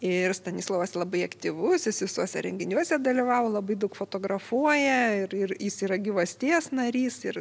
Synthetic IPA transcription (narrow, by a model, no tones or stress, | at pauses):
ɪrst̪ɐnʲiːslˠoːʋɐsʲlˠɐbɐɪɐkt̪ʲiʋʊsjɪsʋʲɪsuɔsʲɛ̰ɾʲɛŋʲɡʲɪnʲuɔsʲɛd̪ɐlʲiʋɑːʋolˠɐbɐɪd̪ɐʊkfoːt̪oːɡɾɐfuɔjɛɪɾɪrjɪsiːɾɐɡʲɪʋɐsʲt̪ʲiːsnɐɾʲiːsɪr